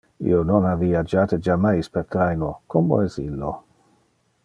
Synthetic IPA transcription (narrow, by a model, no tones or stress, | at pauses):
ḭononaviad͡ʒaːt̪ed͡ʒamajspeɾt̪ɾajnokʰomo̰ɛsilːo